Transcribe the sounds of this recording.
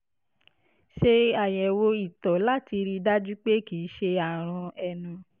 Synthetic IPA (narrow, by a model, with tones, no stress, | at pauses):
ʃe˧a˨jɛ˨wo˧i˦˨tɔ˨la˦ti˧ɾi˧da˦d͡ʒu˦k͡pe˦kiː˨˦ʃe˧a˨ɾ̃ɔ̃˧ɛ˧nũ˧